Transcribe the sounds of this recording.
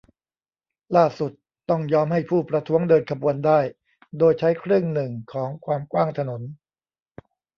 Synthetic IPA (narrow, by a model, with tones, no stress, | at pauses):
laː˥˩su˨˩t̪ːɔ˥˩ŋjɔː˦˥mha˥˩jpʰuː˥˩pɾa˧t̪ʰu˦˥əŋdɤː˧nkʰa˧bu˧əndaː˥˩j | doː˧jt͡ɕʰa˦˥jkʰɾɯ˥˩əŋnɯ˨˩ŋkʰɔː˩˦ŋkʰwaː˧mkwaː˥˩ŋt̪ʰa˧no˩˦n